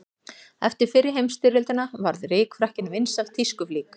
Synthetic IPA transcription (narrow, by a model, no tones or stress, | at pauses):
ɛ̰ft̪ɪɾ̥fɪɾɪɾ̥ɦejmst̪ɪɾɪlt̪ʏnavaɾðreːkfɾahcɪnvɪnsavt̪ʰiskʏfliːk